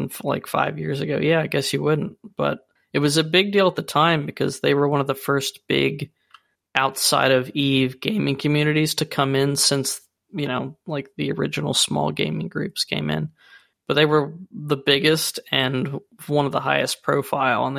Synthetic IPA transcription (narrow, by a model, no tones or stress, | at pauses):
la̰ɪkfa̰ɪvjɪ̰ɹzɨɡoʊjæaɪɡɛsjɨwʊdⁿn̩t̚b̥ʌ̰ɾ̚ | ɨt̚wʌzɨbɪɡ̚dilˠət̪̚ðɨtʰãɪ̃mbɨkʰʌ̰zðeɪwə˞wʌ̃nʌvðəfɜ˞stb̥ɪ̰ɡ | ʔaʊtsa̰ɪɾʌvivɡḛ̃ɪ̃mɪ̃ŋkʰɨmjʉnɨɾiz̥tʰɨkʰʌ̃mɪ̃nsɪ̃ns | jɨñoʊlaɪk̚ðiə˞ɪ̰d͡ʒɨn̩l̩ˠsmɔ̰lˠɡẽɪ̃mɪ̃ŋɡɹʉpskʰḛ̃ɪ̃mɪ̰̃n | b̥ʌt̪̚ðeɪwə˞ðəbɪɡɨstɨ̃n | wʌ̃nʌvðəɦaɪɨs̚pʰɹ̥oʊfaɪlˠə̰̃n